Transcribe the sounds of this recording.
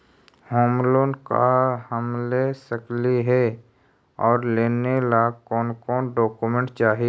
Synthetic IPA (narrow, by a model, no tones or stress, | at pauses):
hoːmloːnka̰həmlesəkliɦɛ | ɔːɾleːnelakɔːnkɔːnɖɔːkumẽɳʈt͡ʃaːɦi